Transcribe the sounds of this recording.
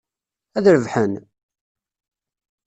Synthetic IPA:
æðɾəvħən

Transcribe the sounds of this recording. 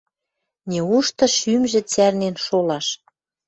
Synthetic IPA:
nʲeuʃt̪ɤ̆ʃymʒĕt͡særnenʃolɑʃ

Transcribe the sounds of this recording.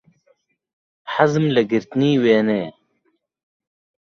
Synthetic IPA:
ħazmlɐɡiɾt̪niːweːneː

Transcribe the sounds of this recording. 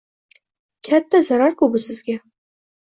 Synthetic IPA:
kʲʰat̪ʰːazaɾaɾkʊbɪsɪzɡʲa

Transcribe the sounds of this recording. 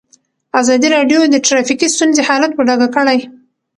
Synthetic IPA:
azɑd̪iɾɑɖjod̪əʈɾɑfikist̪unzehɑlat̪̚bəɖɑɡakəɽaj

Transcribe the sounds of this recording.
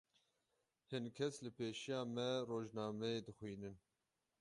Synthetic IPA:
hɨnkʰɛslɨpʰeːʃijɑːmɛroːʒnɑːmɛeːd̪ɨxwiːnɨn

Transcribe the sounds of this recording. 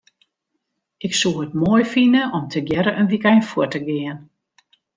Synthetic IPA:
ɪksuətmoəjfinəʔɔmtʰəɡjɛɾəʔənʋikɛjnfuətəɡɪən

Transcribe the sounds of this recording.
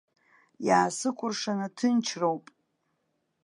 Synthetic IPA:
jaːsɨkʷʼʊrʂanatʰɨnt͡ʃʰrowpʼ

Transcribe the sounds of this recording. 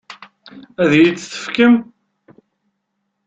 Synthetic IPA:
æðjit͡s̪ːθə̥fkəm

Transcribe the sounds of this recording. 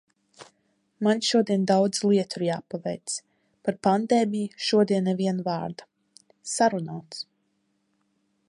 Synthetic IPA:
manʲʃuɔd̪iɛnd̪awd̪zlˠiɛt̪uɾjaːpavɛ̰jt̪s | paɾpand̪ɛːmijʃuɔd̪iɛnːɛvʲiɛnvaːɾd̪ḁ | saɾunaːt̪s

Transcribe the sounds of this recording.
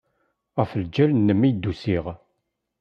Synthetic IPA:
ʁəfəld͡ʒælnːəmːid̪ːusiʁ

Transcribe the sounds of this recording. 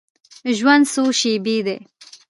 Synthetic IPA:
ʒwand̪suʃibid̪ḛ

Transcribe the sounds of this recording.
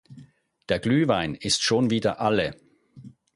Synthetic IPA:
d̥eːɐɡlyːvaɪnɪstʃoːnviːdɐ̰ʔalə

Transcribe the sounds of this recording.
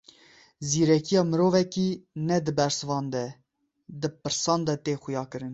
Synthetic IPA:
ziːɾɛkijɑːmɨɾoːvɛkiːnɛd̪ɨbɛɾsɨvɑːnd̪ɛ | d̪ɨpɨɾsɑːnd̪ɛt̪eːxʊjɑːkɨɾɨn

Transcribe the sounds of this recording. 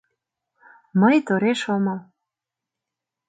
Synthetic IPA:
məjt̪oɾeʃomɤl

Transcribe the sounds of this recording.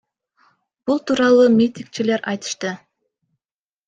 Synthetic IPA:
b̥ulˠt̪uːɾɑlˠuːmʲit̪ʲiŋk̚t͡ʃile̞ɾʔɑjt̪ɯ̥ʃt̪ɯ

